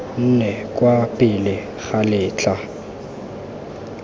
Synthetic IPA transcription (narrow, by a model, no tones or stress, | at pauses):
n̩nɛkʼwapʼɪlɪ | ɣalɪːt͡ɬʰʼa